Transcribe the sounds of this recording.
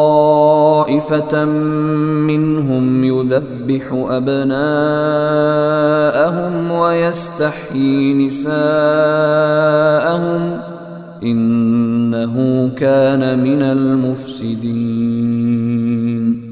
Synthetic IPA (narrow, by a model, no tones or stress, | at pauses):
ɑ | ʔɪfa | mɪnɦʊmjʊðabːɪħʊʔabnaː | ʔaɦʊmwajast̪aħjiːnɪsaː | ʔahʊm | ʔɪnː | aɦʊkaːnamɪnalmʊfsɪd̪i | n